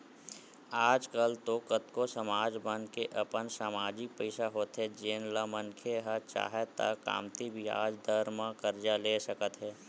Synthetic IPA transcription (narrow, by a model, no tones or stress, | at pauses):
aːd͡ʒkəlt̪oːkət̪kosəmaːd͡ʒbə̃nkeʔəpənsaːmaːd͡ʒɪk̚pəɪsaɦoːt̪ɦɛd͡ʒeːnləmə̃nkʰeɦət͡ʃa̰ːɦet̪a̰ka̰ːmt̪ibʱia̰ːd͡ʒd̪əɾmãkəɾd͡ʒaleːsəkət̪ɦɛː